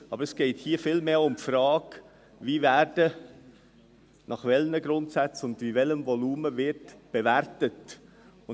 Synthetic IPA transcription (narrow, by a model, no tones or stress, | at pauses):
ɑbəɾəsɡ̥ɛɪthiːfɪlmeːʊmpfɾɑːk | ʋiːvæːɾd̥ə | nɑχʋɛlnəɡɾʊntsæt͡sʊndvivɛləmvɔluːməvɪɾtb̥evæɾtət | ʊ